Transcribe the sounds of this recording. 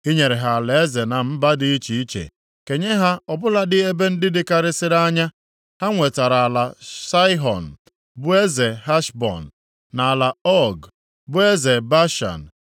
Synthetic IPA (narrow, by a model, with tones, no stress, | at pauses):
i˦ɲe˨ɾe˨ɦa˨le˨e˦ze˨na˨m̩˦ba˦dɪ˦i˦t͡ʃi˨i˦t͡ʃḛ˨ | ke˨ɲe˦ɦa˦ɔ˨bʊ˦la˦dɪ˦e˦be˦n̩˦dɪ˦dɪ˦ka˨ɾɪ˦sɪ˦ɾa˦ɲa˦ | ha˦ŋʷe˨ta˨ɾa˨a˨la˨sa˦ɪ˦ɦɔ̰˨n̩˨ | bʊ˦e˦ze˨ɦa˦ʃbɔ̰˨n̩ː˨ | a˨a˨la˨ɔ˦ɡ | bʊ˦e˦ze˨ba˦ʃa̰˨n̩˨